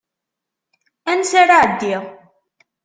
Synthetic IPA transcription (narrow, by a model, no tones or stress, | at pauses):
ænsaɾaʕəd̪ːiʁ